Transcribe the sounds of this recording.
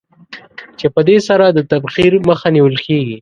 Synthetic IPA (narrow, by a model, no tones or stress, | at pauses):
t͡ʃepəd̪esaɾad̪ət̪abxiɾməxaniwəlkeɡi